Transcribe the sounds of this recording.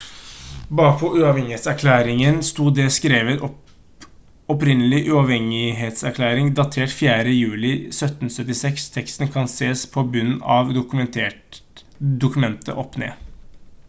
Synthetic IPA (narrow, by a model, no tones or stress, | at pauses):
bɑːpʰɔʔʉɑːʋhɛŋɪheːt̪sæɾkʰlæːɾɪŋənst̪uːd̪ɛskɾeːʋət̪ | ɔpɾɪnəlɪʔʉɑʋhɛŋɪɦeːt̪sæɾkʰlæːɾɪŋd̪ɑt̪ʰeːʈfjæːɾəjʉːlɪsœt̪n̩sœt̪ːɪsɛkst̪ʰɛkst̪n̩kʰɑnseːspʰɔbʉnɑʋd̪ʊkmɛnt̪ʰeː | d̪ʊkʉmɛnt̪ʰə̰ʔɔpːnḛː